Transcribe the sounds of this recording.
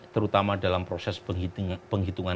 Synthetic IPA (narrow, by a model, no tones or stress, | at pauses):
t̪əɾut̪amadalampɾosɛspəŋɦit̪uŋa